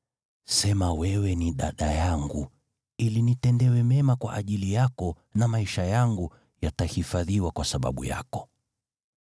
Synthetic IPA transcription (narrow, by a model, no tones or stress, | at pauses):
sɛmawɛwɛniɗa̰ɗajaŋɡṵ | ilinitɛndɛwɛmɛmakwa̰ʔaʄilijakɔ | namaiʃajaŋɡu | jatahifaðiwakwasaɓa̰ɓṵja̰kɔ̥